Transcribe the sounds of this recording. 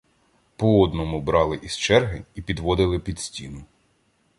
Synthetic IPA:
pɔɔd̪nɔmʊbɾɑlˠɪʔist͡ʃɛrɦɪipʲid̪ʋɔd̪ɪlˠɪpʲid̪sʲtʲinʊ

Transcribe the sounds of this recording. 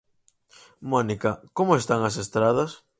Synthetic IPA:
monikɐkomoest̪aŋɐsest̪ɾaðɐs

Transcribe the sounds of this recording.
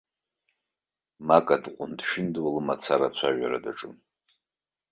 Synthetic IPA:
makʼadqʷʼʊndʃᶣɪndwalɨmat͡sʰaɾat͡ɕʷʰaʒᶣaɾa̰daʈ͡ʂʼɨm

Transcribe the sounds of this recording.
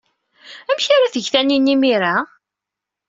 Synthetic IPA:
æmçaɾaθəʝθæninːimiɾa

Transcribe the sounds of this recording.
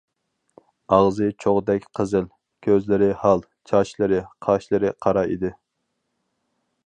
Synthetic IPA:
ɑʁzɨt͡ʃʰoʁd̪ɛkʲqʰəzɪl | kʲʰøzlɪɾɪhɑlˠ | t͡ʃʰɑʃlɨɾɪqʰɑʃlˠɨɾɪqʰɑɾɑḭd̪ɪ

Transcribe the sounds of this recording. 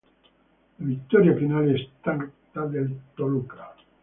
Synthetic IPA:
lavit̪ːoɾiafinaːliest̪aɡt̪ad̪elt̪oluka

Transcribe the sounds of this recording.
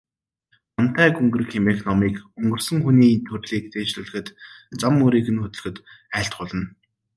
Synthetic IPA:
ɔn̥t̪æːkɵŋɡɵ̆rxʰemeknɔmiːkɵŋɡɵ̆rsɵ̆ŋxuniːt̪ʰɵrɮiːk̚t͡s̪ʰeːʃɮɘ̆ɮɘ̆xɘ̆t̪t͡samːuɾiːkɘ̆nxɵt̪ɵ̆ɮxɘ̆t̪æːɬt̪̚ɢʊɮə̆n

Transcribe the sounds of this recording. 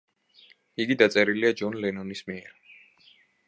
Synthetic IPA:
iɡid̪at̪sʼɛɾiliad͡ʒɔnlɛnɔnismiɛɾ

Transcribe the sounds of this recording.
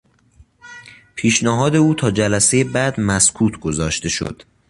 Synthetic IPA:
pʰiːʃnæɦɒːd̪e̞uːt̪ʰɒːd͡ʒælæse̞jebæd̪mæskʰuːt̪ʰɡozɒːʃt̪e̞ʃo̰d̪̥

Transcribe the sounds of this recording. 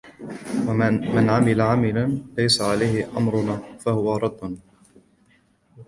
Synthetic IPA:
wmanʕamɪlaʕamɪlanlajsaʕalajhɪʔa̰mɾʊnaːfahʊwaɾˤɑd̪ːʊn

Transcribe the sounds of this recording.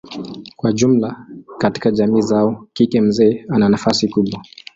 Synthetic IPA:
kwaʄum̩lakati̥kaʄamiːzaɔkikɛm̩zɛːananafasikuɓwa

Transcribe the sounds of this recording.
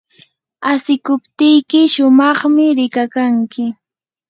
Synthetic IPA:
asɪkʊpt̪ɪjkɪʃʊmɑχmɪɾɪkakaŋkɪ

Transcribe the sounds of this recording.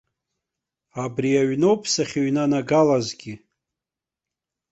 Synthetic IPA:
abriaɥnowpʰsaχʲeɥnanaɡalazɡʲi

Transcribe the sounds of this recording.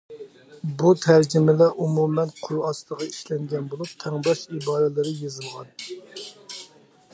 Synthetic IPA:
but̪ʰæɾd͡ʒɪmɪlɛʔumumɛnqʰoɾɑst̪ˠəʁɑiʃlɛŋɡʲɛnbolˠup̚t̪ʰɛŋbɑʃibɑːɾɛlɪɾɪjezɨlˠʁɑn

